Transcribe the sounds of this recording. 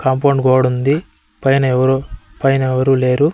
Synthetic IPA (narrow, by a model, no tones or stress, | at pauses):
kɐmpɐwɳɖɡɔːɽund̪i | pɐjnɐɛʋɐɾpɐjnɐɛʋɐɾuːle̞ːɾu